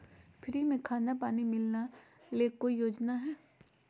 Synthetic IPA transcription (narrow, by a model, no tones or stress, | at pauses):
fʰɪɾimẽkʰaːnapaːnimɪlna | leːkːojoːd͡ʒnaɦɛː